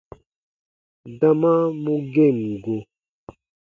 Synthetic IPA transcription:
da˦mã˦mũ˦ɡe˦˨ŋɡo˨

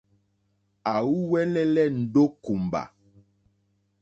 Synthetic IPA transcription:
a˨wu˦wɛ˦lɛ˦lɛ˦n̩˨ɖo˦ku˨m˨ba̰˨

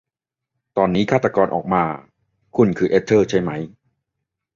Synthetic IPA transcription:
t̪ɔː˧nːiː˦˥kʰa˥˩t̪a˧kɔː˧nʔɔː˨˩k̚maː˧ | kʰu˧˩nkʰɯː˧˩ʔe˦˥t̪ʰːɤː˥˩t͡ɕʰa˥˩jma˦˥j

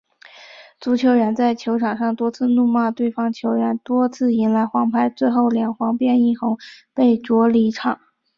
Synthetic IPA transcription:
t͡su˧˥t͡ɕʰjo˧˥ʊɻə˧˥nt͡sa˥˩ɪt͡ɕʰjo˧˥ʊʈ͡ʂʰɑ˨˩ŋʂɑ˥˩ŋt̪wɔ˥t͡sʰɹ̩˥˧nu˥˧ma˥˧t̪we˥˩ɪfɑ˥ŋt͡ɕʰjo˧˥ʊɻə˧˥nt̪wɔ˥t͡sʰɹ̩˥˩i˧˥ŋla˧˥ɪxwɑ˧˥ŋpʰa˥ɪt͡swe˥˧ɪxo˥˩ʊljɛ˨˩ŋxwɑ˧˥ŋpjɛ˥˧ni˥˩xʊ˧˥ŋpe˥˩ɪʈ͡ʂwɔ˧˥li˧˥ʈ͡ʂʰɑ˨˩˦

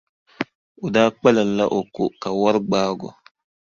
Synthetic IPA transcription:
u˨daː˦k͡pɛ˦la˨lːa˦ʔo˨ko˨ka˨wa˦ɾɡ͡baː˦ɡɔ̰˨

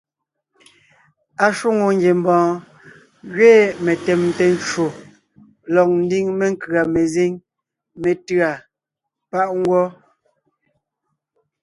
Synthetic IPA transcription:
a˨ʃu˦ŋo˨ŋ˦ɡe˨m˨bɔ̃ː˨˦ | ɣɥeː˦˨me˨tɛ˨mtɛ˨nt͡ʃo˨ | lɔ˨k̚n̩˦di˦ŋme˦ŋ̩˦kɰa˨me˨ze˦ŋ | me˨tɰa˨ | pa˦ʔŋ˦ɡwɔ˦

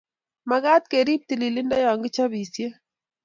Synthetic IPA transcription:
ma˨ɣa˦t̪̚ke˨ɾi˦p̚t̪i˨li˨li˦nda˦jɔ˨ŋɡɪ˦t͡ʃa˦βi˨sje˦

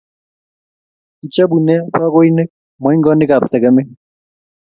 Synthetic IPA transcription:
ki˨t͡ʃa˦bu˨nɛ˦ɸwa˦ɣo˦i˦ne˦k̚ | mwɔ˨i˦ŋɡɔ˦nɪ˦ka˨psɛ˨kɛ˦me˦

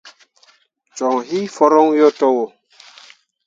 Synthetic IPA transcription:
t͡ʃɔ˨ŋɦi˦fɔ˦ɾɔ˦ŋjɔ˦tɔ˦wo˨

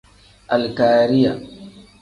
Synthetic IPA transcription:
ʔa˨lkaː˨ɾɪ˦ja˨

